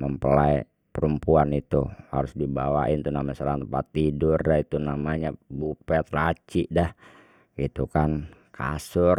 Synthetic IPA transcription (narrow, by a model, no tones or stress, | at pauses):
məmpəlaj | pəɾəmpuanit̪uhaɾʊsdibawaʔɪnt̪unamaɲasəɾaŋt̪əmpat̪ːidʊrdait̪unamaɲabupɛt̪lat͡ʃiʔdah | ɡit̪ukankʰa̰sʊr